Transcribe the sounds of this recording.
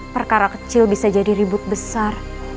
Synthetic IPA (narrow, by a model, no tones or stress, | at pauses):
pərkaɾakət͡ʃɪlbisad͡ʒadiɾibʊt̪̚bəsar